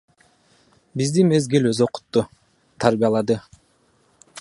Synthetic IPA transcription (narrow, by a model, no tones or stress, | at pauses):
bizd̪ime̞zɡeløzo̞qu̥t̪ːu | t̪ʰaɾbijɑlˠɑd̪ɯ